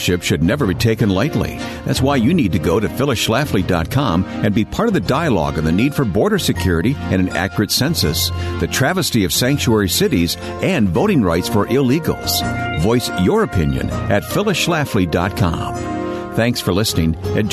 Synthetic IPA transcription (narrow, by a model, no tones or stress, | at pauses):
ʃɪpʃɨdⁿnɛvə˞bitʰeɪkɨ̃nlaɪtˡlḭ | ðæ̰tswaɪjɨnid̚tɨɡoʊɾɨfɪlˠəʃlæflidɑ̰t̚kʰɑ̃m | ɨ̃nbipʰɑɹɾʌvðɨdaɪəlɔ̰ɡɨ̃nðɨnid̥fə˞bɔɹɾə˞sɨkʰj̥ʊɹɨɾiɨ̃nɨ̃næ̰kjə˞ɨtsɛ̃nsɨsðɨtʰɹ̥ævɨstiʌv̥sæ̃ŋk̚t͡ʃuɛɹisɪɾiz | ɨ̃nvoʊɾɪ̃ŋɹaɪtsfə˞ʔɪliɡl̩ˠz̥vɔɪsjə˞ɨpʰɪ̰̃njɨ̰̃nɨtfɪlˠəʃlæflidɑ̰t̚kʰɑ̰̃m | θæ̃ŋksfə˞lɪsnɪ̃ŋɨ̃